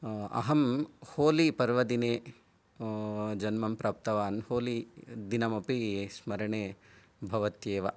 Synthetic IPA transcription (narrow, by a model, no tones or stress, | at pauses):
ɐ̰ɦɐmhoːlipɐɾʋɐd̪ineː | d͡ʒɐnmɐmpɾaːp̚t̪ɐʋaːnhoːlid̪inɐmɐpismɐɾɐɳeː | bʱɐʋɐt̪jeːʋɐ